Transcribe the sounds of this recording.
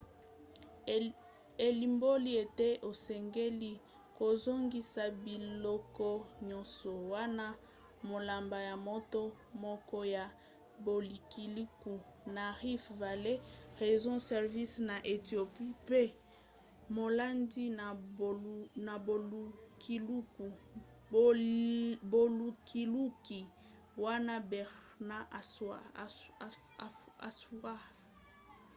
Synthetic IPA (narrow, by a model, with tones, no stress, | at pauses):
e˨li˨mbo˦li˦e˨te˦ʔo˨sɛ˨ŋɡe˦li˦ | ko˨zo˦ŋɡi˦sa˨bi˨llɔ˦kɔ˦ɲɔ̃˦sɔ˨wa˦na˦ | mo˨la˨mba˨ja˨mɔ˦to˦ | mɔ˦kɔ˦ja˨ | bo˨li˨ki˨li˦ku˨ | na˨ʁi˦fva˨le˦ʁe˨zɔ̃˦sɛ˨ʁvi˦sna˨ʔe˨tjo˨pi˦pe˦ | mo˨la˦ndi˦na˨ | na˨bo˨u˦ki˨lu˦ku˨ | bo˨lu˨ki˨lu˦ki˨ | wa˦na˦bɛ˨na˦ʔa˨sa˨ | a̰˨su˦a˦